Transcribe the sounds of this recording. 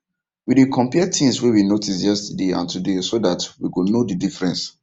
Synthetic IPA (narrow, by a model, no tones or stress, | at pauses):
widekʰɔ̃mpiɛtʰĩmswɛwinotisjɛstədeã̰ntudesodatwikunodidifɹɛ̃ns